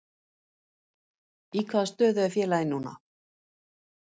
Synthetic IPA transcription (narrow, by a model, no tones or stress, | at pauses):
ikʰvaðast̪œːðʏafjɛːlaɪnːuːna̰